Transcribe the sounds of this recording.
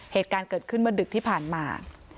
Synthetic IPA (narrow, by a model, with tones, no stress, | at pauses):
heː˨˩t̪̚kaː˧nkɤː˨˩t̪̚kʰɯ˥˩nmɯ˥ɐdɯ˨˩k̚t̪ʰiː˥˩pʰaː˨˩nma̰ː˧